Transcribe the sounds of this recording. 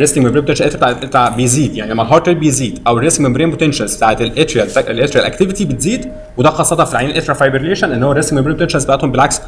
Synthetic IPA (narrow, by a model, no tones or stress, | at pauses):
ɾesk̪iŋmembɾeːp̚t̪enʃælʔet̪ɾt̪ʕet̪aːʕbejeziːd̪jaʕnilæmːælɦɑːɾd̪weɾ̚bejeziːd̪ʔæwereseŋɡmembɾeːnbot̪enʃælzb̥t̪aʕet̪elʔet̪ɾælt̪ʔelʔet̪ɾiælʔæ̰kt̪evit̪ibet̪ziːd̪ | wed̪æxɑːsˤːɑt̪ɑnfilʕainelʔet̪ɾɑfɑjbeɾeleːʃænʔenːhowæɾest̪iŋɡmembɾeːpot̪ænʃælzbæaʔæt̪hombelʕaks